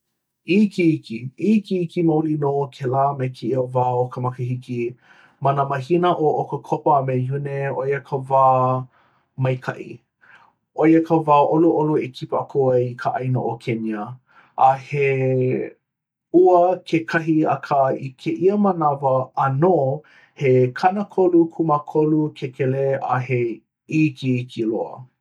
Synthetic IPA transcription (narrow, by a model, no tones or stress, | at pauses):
ʔikiikiikiikimɐulinokʰelaːmejkʰeiəvaːokʰəmɐkəɦiki | mɐnəmɐɦinəʔoʔokəkʰopəmejuneojəkʰəvaː | mɐjkʰɐ̰ʔḭ | ʔojəkʰəvaːʔoluʔoluekʰipəɐkʰoɐjkʰəʔɐjno̰ʔokʰeniə | ʔahe | uəkʰekʰɐɦiɐ̰kʰaikʰeʔiəmənɐvəːnoː | hekʰɐnəkʰolukʰumakʰolukʰekʰɛlea̰ɦe | ikikʰiloə̰